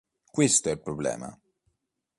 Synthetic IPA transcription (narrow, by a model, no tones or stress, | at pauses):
kwist̪oɛlpɾoblɛ̰ːma̰